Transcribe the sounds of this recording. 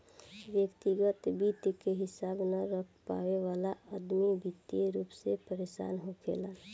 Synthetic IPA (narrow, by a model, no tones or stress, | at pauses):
ʋjəkt̪iɡət̪bit̪keɦɪsaːbnəɾəkʰpa̰weʋaːlaʔəd̪mibit̪jeɾuːpsepəɾeːʃa̰ːnɦokʰḛːla